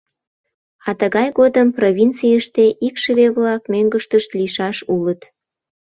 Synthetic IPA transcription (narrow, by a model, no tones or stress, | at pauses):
ɑt̪əɣɑjɣod̪əmprovʲint͡sijəʃt̪eʔikʃəβeβlɑkmøŋɡəʃt̪əʃt̪liʃɑʃulət̪